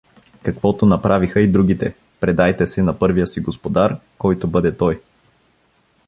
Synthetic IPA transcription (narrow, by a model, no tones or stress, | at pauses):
kɐkvɔt̪onɐpɾʔavixəid̪ɾuɡ̟it̪ɛ̰ | pɾɛd̪ajt̪ɛsɛnɐpɤɾvijəsiɡospod̪aɾkɔjt̪obɤd̪ɛt̪ɔj